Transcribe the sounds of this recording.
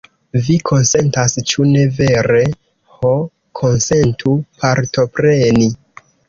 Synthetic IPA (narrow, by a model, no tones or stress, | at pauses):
vikʰo̞nse̞ntast͡ʃune̞ve̞ɾe̞ | ho | kʰo̞nse̞ntʰupaɾto̞pɾe̞ni